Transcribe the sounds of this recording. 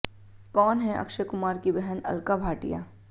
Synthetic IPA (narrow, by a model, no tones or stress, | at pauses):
kɔːnɦɛʔɐ̰kʃəkʊmaːɾkibɛɦɛnɐ̰lkabʱaːʈḭja̰ː